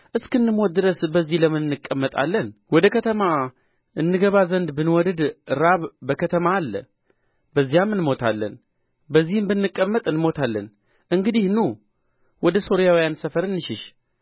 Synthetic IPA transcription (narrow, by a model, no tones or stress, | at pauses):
ʔɨskɨnːɨmot̪̚d̪ɨɾəsbəzːihləmɨnːɨkʼːəmːət̪ʼa̰lːənwɔd̪əkʰət̪ʰəma | ʔɨnːɨɡəβazənd̪bɨnwɔd̪ɨd̪ɾaβbəkʰət̪ʰəmaːlːə | bəzːijamːɨnmo̞t̪ʰalːə̰n | bəzːihɨmbɨnːɨkʼːəmːət̪ʼɨnɨmo̞t̪ʰalːən | ʔɨŋɡɨd̪ihnu | wɔd̪əso̞ɾijawijansəfəɾɨnːɨʃɪʃ